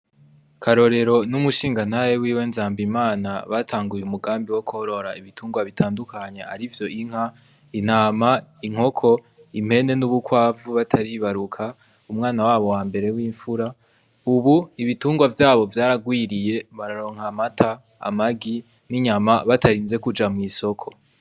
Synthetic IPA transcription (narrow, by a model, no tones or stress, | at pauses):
kʰaɾo̞ɾe̞ɾo̞numuʃiːŋɡan̥hajewiːwe̞ːnzaːmbimaːnaβatʰaːŋɡujeumuɡaːmbiwo̞koɾo̞ɾaiβitʰuːŋɡwaβitʰaːndukʰaɲe̞a̰ɾivjo̞ʔiŋ̥ha | in̥haːmaiŋho̞kʰo̞ | im̥he̞ne̞nuβukwaːvuβatʰaɾiβaɾukʰa | umŋaːnawaːβo̞waːmbe̞ɾe̞wiːɱfuɾa | uβuiβituːŋɡwavjaːβo̞vjaːɾaɡwiːɾije̞βaɾaɾo̞ːŋ̥hamatʰa̰ː | maɡi | niɲamaβatʰaɾiːnze̞kud͡ʒamŋiːso̞kʰo̞̥